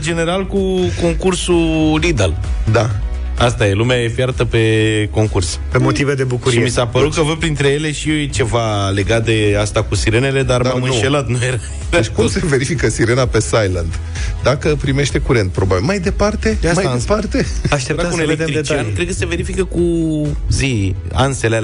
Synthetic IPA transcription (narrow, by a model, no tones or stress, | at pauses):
d͡ʒe̞ne̞ɾalkuko̞ŋkursulid̪ald̪a | ast̪ajelumeajefjaɾt̪əpe̞ko̞ŋkurs | pe̞mo̞t̪ived̪e̞bukuɾijmisapəɾut̪̚kəvəpɾint̪ɾeje̞le̞ʃijt͡ʃe̞vale̞ɡat̪̚d̪e̞ast̪akusiɾe̞ne̞le̞d̪aɾmamɨnʃe̞lat̪nujeɾa | det͡ʃʲkumse̞ve̞ɾifikəsiɾe̞nape̞sajland̪ | d̪akəpɾime̞ʃt̪e̞kuɾe̞nt̪̚pɾo̞babilmajd̪e̞part̪e̞amajpart̪e̞aʃt̪ept̪aeeet͡ʃankɾed̪̚kəseve̞ɾifikəkuzi | a̰nsele